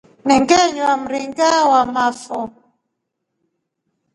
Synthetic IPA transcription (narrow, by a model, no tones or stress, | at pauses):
nɛŋɡɛɲwam̩ɾiŋɡawamafɔ